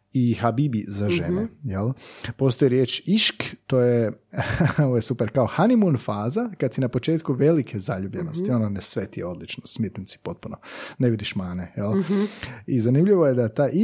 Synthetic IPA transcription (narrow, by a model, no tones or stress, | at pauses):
ixabibizaʒenejelˠpo̞st̪oiɾjeːt͡ʃiʃkt̪oːje | oʋojesupeɾkaoxanimunfaːzakad̪sinapo̞t͡ʃe̞ːt̪kuʋe̞likʰe̞zaʎuːbʎe̞no̞st̪io̞nonesʋet̪ieo̞d̪lit͡ʃnosmet̪nsi̥po̞t̪̚puno̰neʋid̪iʃmaːnejel | izanimʎiʋojed̪at̪aːʔi